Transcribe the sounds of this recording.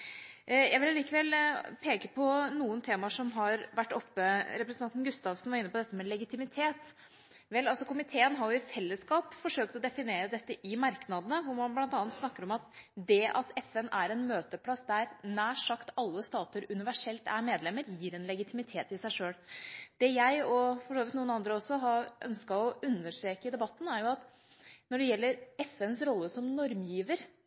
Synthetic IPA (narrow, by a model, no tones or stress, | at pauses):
jæɪʋɪlɑliːkəʋɛlpʰeːkəpʰɔnuːənt̪ʰeːmɑʂɔmɦɑɾʋæʈːɔpːəɾɛpɾəsənɑnnɡʉst̪ɑʋsn̩ʋɑɾɪnːəpɔd̪ɛt̪ːəmɛlɛɡɪt̪ɪmɪt̪ʰeːt̪ | ʋɛlɑlsɔkʊmɪt̪ʰeːənɦɑɾjʊɪfɛlːəskɑːpfɔʂøːk̚t̪ɔd̪ɛfɪneːɾəd̪ɛt̪ːəʔɪmɑɾknɑd̪ənəʋʊɾmɑnblɑnt̪ɑːnt̪snɑkːəɾɔmɑt̪d̪ɛʔɑt̪ɛfɛnʔæɾɛnmøːt̪əpʰlɑsd̪æɾnæːʂɑkt̪ɑlːəst̪ɑːt̪əɾʉnɪʋæʂɛlt̪ʰæɾmeːd̪lɛmːəɾjiːɾɛnlɛɡɪt̪ʰɪmɪt̪ʰeːt̪ɪsæɪʂøːɽd̪̥ɛjæɪɔfɔʂoːʋɪt̪nuːənɑnd̪ɾəɔsːɔɦɑɾʔœ̰nskɑɔʔʉnːəʂt̪ɾeːkəd̪ɛbɑt̪ːn̩æɾjʊɑt̪ | nɔɖɛjɛlːəɾɛfɛnsɾɔlːəsɔmnɔɾmjiːʋəɾ